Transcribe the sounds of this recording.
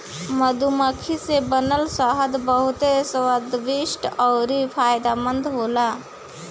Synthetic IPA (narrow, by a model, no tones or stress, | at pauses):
məd̪uməkʰisebənəlsəɦəd̪bəɦʊt̪esəwəd̪ʋiʃʈɔɾipʰaːjd̪amənd̪ɦoːla